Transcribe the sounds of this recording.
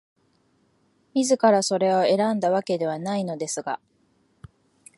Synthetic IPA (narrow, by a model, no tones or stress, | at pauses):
mʲizɨkaɾaso̞ɾe̞o̞e̞ɾãnd̪aβake̞d̪e̞β̞anaino̞d̪e̞sɨɡa̰